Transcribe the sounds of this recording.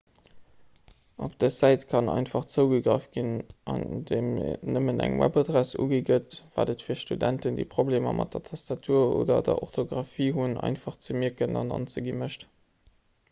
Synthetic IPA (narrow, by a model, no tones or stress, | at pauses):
ʔopd̥əzæɪtkʰɑnɑ̰ɪnfɑχt͡səʊɡəɡʁəfɡ̥inɑndeːmnəmənæ̰ŋwæ̰bɑdʁæsṵːɡiɡətv̥aːdətfiːɐʃtudæntəndḭːpʁobleːmɐmʔɑt̚dɐtʰɑstɑtʰuːɐo̰ːdɐ̰dɐ̰ʔoχtʰoɡʁɑfiːɦunɑ̰ɪnfɑχt͡səmiəkənɑnɑ̰nt͡səɡiməʃt